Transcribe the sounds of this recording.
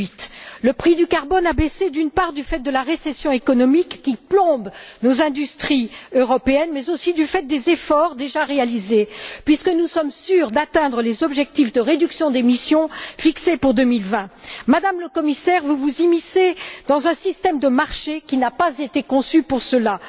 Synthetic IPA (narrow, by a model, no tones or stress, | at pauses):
it̪ləpχid̪ykaʁbɔnabesed̪ynpaʁd̪yfɛt̪̚d̪əlaʁesɛsjɔ̃ekɔnɔmikːiplɔ̃bnozɛ̃d̪yst̪χiøʁɔpeɛnmɛzosid̪yfɛt̪̚d̪ezefɔʁd̪eʒaʁealizepɥiskənusɔmsyʁd̪at̪ɛ̃d̪ʁəlezɔbʒɛk̚t̪ifd̪əʁed̪yksjɔ̃d̪emisjɔ̃fiksepuʁd̪əmilvɛ̃mad̪amləkɔmisɛʁvuvuzimised̪̥ɑ̃zɛ̃sist̪ɛmd̪əmaʁʃekʲinapazet̪ekɔ̃sypuʁsəla